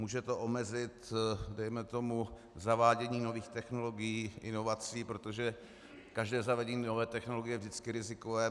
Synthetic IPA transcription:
muːʒɛt̪o̞ʔomɛzɪt̪dɛjmɛt̪o̞mu | zavaːɟɛɲiːno̞viːxt̪ɛxnolo̞ɡɪjiːʔɪno̞vat͡siːpɾot̪o̞ʒɛ | kaʒdɛːzavɛɟɛɲinovɛːt̪ɛxno̞loɡɪjɛvʒdɪt͡skɪɾɪzɪkovɛː

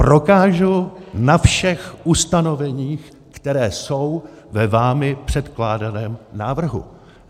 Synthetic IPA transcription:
pɾo̞kaːʒunafʃɛxʔust̪ano̞vɛɲiːx | kt̪ɛɾɛːso̞w | vɛvaːmɪpr̝̥ɛt̪klaːdanɛːmnaːvr̩ɦṵ

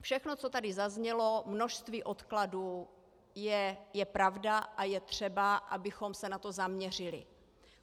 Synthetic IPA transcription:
fʃɛxno̞t͡so̞t̪adɪzazɲɛlo̞mnoʃst̪viːʔo̞t̪kladu | jɛjɛpɾavdaʔajɛt̪r̝̥ɛbaʔabɪxo̞msɛnat̪o̞zamɲɛr̝ɪlɪ̰

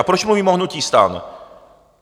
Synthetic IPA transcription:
apɾɔɕimumʲimɔhnut̪ʲist̪a̰n

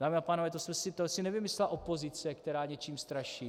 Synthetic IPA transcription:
daːmɪapaːnovɛːt̪osmɛsɪt̪osɪnɛvɪmɪslɛlaʔo̞po̞zɪt͡sɛkt̪ɛɾaːɲɛt͡ʃiːmst̪ɾaʃiː

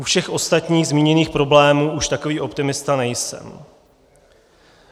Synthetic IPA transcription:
ufʃɛxʔo̞st̪at̪ɲiːɣzmiːɲɛniːxpɾo̞blɛːmuːʔuʃt̪ako̞viːʔo̞pt̪ɪmɪst̪anɛjsɛ̰m

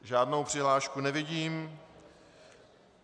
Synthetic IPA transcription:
ʒaːdnowpr̝̥ɪɦlaːʃkunɛvɪɟiːm

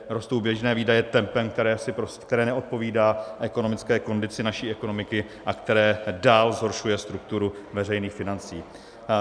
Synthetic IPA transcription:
ɾo̞st̪o̞wbjɛʒnɛːviːdajɛt̪ɛmpɛmk̚t̪ɛɾɛːsɪpɾoskt̪ɛɾɛːnɛʔo̞t̪̚po̞viːdaːʔɛko̞nomɪt͡skɛːko̞ndɪt͡sɪnaʃiːʔɛko̞no̞mɪkɪ | ʔakt̪ɛɾɛːdaːlzɦo̞ɾʃujɛst̪ɾuk̚t̪uɾuvɛrɛjniːxfɪnant͡sḭː

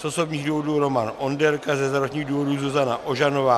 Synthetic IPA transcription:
sʔosobɲiːɣduːvo̞duɾomanondɛɾkazɛzaɾot͡ʃɲiːɣduːvoduːzuzanaʔoʒanovaː

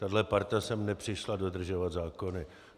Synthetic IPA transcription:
t̪adlɛpaɾt̪asɛmnɛpr̝̥ɪʃlado̞d̪r̩ʒovat̪zaːko̞nɪ

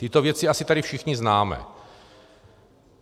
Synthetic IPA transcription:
t̪ɪt̪o̞vjɛt͡sɪasɪt̪aɾɪfʃɪxɲɪznaːmɛ̰

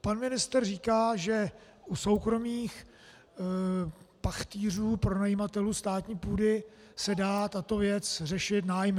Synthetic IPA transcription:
panmɪnɪst̪ɛrriːkaːʒɛʔuso̞wkɾo̞miːx | paxt̪iːr̝uːpɾo̞najimat̪ɛlust̪aːt̪ɲiːpuːdɪ | sɛdaːt̪at̪o̞vjɛt͡srɛʃɪt̪naːjm

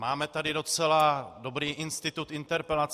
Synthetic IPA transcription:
maːmɛt̪adɪdo̞t͡sɛladobɾiːʔɪnst̪ɪt̪ut̪ʔɪnt̪ɛɾpɛlat͡s

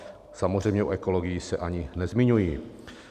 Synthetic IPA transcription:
samozrɛjmɲɛʔṵʔɛkoloɡɪjisɛʔaɲɪnɛzmɪɲujiː

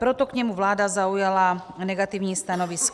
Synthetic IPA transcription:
pɾot̪okɲɛmuvlaːdazaujala | nɛɡat̪ivɲiːst̪anovisk

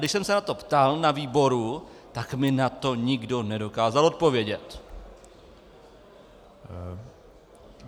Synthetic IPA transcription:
dɪʃsɛmsɛnat̪o̞pt̪alnaviːbo̞ɾut̪akmɪnat̪o̞ɲɪɡdo̞nɛdo̞kaːzalo̞t̪̚po̞vjɛɟɛt̪

